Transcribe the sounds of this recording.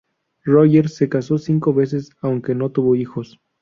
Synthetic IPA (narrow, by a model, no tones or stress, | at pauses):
roʝeɾse̞kaso̞siŋko̞βe̞s̬e̞sawŋke̞no̞t̪uβo̞ixo̞s